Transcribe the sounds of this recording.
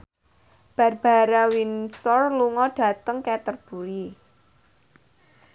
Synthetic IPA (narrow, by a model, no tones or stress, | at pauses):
b̥a̤rb̥a̤ɾawinsɔrluŋɔɖ̥a̤t̪əŋkɛt̪ərb̥ṳɾi